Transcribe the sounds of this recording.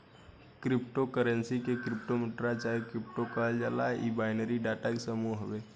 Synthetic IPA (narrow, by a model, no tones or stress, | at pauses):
kɾipʈokəɾənsikekɾipʈomɪʈɾat͡ʃaikɾip̚ʈokəɦəld͡ʒalaibaɪnəɾiɖaʈakesəmuɦɦəbe